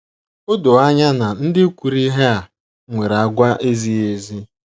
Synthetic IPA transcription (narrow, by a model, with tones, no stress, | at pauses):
o˦do˨a˦ɲa˦na˨n̩˦dɪ˦kʷu˨ɾi˦ɦe˦a˨ | ŋʷe˨ɾa˨ɡʷa˦ʔe˦zi˦e˨zi˦